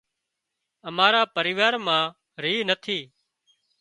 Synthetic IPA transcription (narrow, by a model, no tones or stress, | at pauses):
əmaːɾaːpəɾɪːʋaːɾmãː | ɾiːnət̪ʰiː